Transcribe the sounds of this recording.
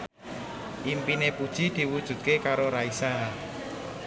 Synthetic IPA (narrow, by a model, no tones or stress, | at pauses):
ʔimpinepud̥ʒ̥i̤d̪̥i̤wud̥ʒ̥ṳt̪̚kekaɾoɾaisa